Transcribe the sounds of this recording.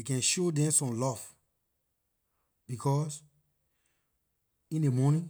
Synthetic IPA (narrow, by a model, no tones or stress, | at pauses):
ekɛ̃nʃodɛ̃msɔ̃mlɔv | bikʰɔs | ĩndemɔnĩ